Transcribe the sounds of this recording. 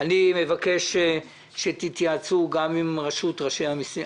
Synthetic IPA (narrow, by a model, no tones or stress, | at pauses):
anime̞vake̞ʃ | ʃet̪it̪jat͡suɡamimʁaʃut̪ʁaʃejhamisi